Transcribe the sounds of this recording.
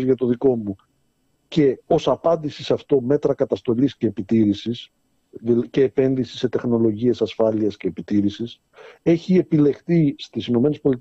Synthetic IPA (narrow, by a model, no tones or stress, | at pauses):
zʝɐt̪o̞ðiko̞mu | ce̞o̞sɐpɐnd̪isisɐft̪o̞me̞t̪ɾɐkɐt̪ɐst̪o̞lisce̞ːpit̪iɾisis | ðice̞ːpe̞nðisi̥se̞t̪e̞xno̞lo̞ʝie̞sɐsfɐliɐsce̞ːpit̪iɾisis | e̞çie̞pile̞xθist̪isino̞me̞nespo̞lit̪